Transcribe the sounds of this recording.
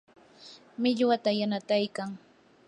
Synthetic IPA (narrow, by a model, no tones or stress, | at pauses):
mɪʎwat̪ajanat̪ajkaŋ